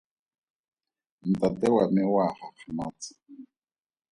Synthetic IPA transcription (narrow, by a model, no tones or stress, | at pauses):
n̩tatɛwamɪwaχaχʰamaːt͡sɪ̥